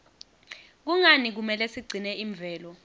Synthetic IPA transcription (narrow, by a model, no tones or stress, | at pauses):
k̬uŋanik̬umɛlɛsiɡ͡ǀʱinɛiɱb̪vʱɛːlɔ